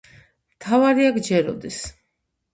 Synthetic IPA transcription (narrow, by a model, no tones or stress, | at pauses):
mt̪ʰavaɾiaɡd͡ʒɛɾɔ̰d̪is